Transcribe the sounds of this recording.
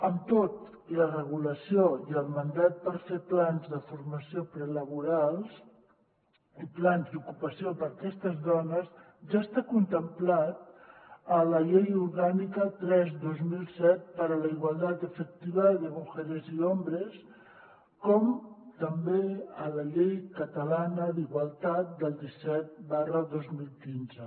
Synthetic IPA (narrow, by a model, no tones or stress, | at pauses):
əmt̪ot̪ | lərəɣ̞uləsioiəlˠmənd̪at̪̚pəɾfeplanzðəfuɾməsiopɾələβuɾalˠs | iplanzd̪ukupəsiopəɾkɛst̪əzðɔnəz | ʒast̪akunt̪əmplat̪̚ələʎejuɾɣanikət̪ɾɛzd̪ozmilˠsɛt̪̚pəɾələiɣwalˠt̪at̪̚d̪əfək̚t̪iβəðəmuxɛɾəziɔmbɾəs | kɔmt̪əmbeələʎejkət̪əlanəðiɣwalˠt̪at̪̚d̪əlˠd̪isɛt̪̚barəðozmilˠkinzə